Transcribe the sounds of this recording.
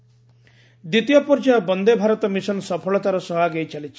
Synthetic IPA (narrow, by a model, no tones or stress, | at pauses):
d̪it̪ijɔpɔɾd͡ʒabɔnd̪ebʱaɾɔt̪ɔmisɔnsɔpʰɔɭɔt̪aɾɔsɔɦaɡejt͡ʃʰalit͡ʃʰi̥